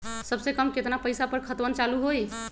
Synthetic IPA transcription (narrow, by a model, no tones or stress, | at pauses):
səbsekəmket̪napəjsapəɾkʰət̪bənt͡ʃaluɦoj